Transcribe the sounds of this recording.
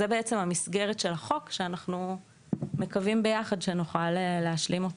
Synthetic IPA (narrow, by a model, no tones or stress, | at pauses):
ebeet͡se̞mhamisɡe̞ʁetʃelaχo̞kʃeanaχnu | me̞kavimbe̞jaχadʃenuχaleːeaʃlimo̞t